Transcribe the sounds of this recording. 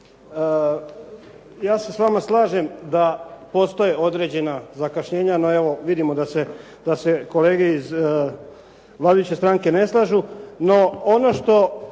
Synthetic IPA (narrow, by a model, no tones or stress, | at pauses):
jaːse̞sʋamaslˠaːʒe̞md̪apost̪o̞je̞o̞d̪ɾe̞ːd͡ʑe̞nazakaʃɲe̞ːɲano̞e̞ʋo̞ʋid̪imo̞d̪ase̞ | d̪ase̞ko̞le̞ːɡeiz | ʋlˠaːd̪ajut͡ɕest̪ɾaŋke̞ne̞slˠaːʒuno̞ono̞ʃt̪o̞